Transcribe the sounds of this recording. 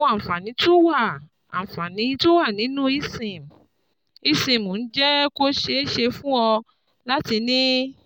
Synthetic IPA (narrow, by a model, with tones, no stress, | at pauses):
a˨fa˨nĩ˨˦tũ˦wa˦˨ | a̰˨fa˨nĩ˨˦tũ˦wa˦˨nĩ˨˦nũ˦i˦˧sĩ˨m̩˨ | i˧sĩ˨m˨o˨n̩˦d͡ʒɛ˦ko˦ʃe˧˦ʃe˧fũ˦ɔ˧ | la˦ti˧nĩ˦